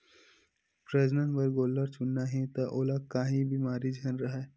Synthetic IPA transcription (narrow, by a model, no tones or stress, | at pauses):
pɾɐd͡ʒnənbɐɾɡoːlːəɾt͡ʃʊnːaɦɛ̃t̪ɐʔoːlakaːɦĩbʱimaːɾid͡ʒʱɐnɾɐɦɛː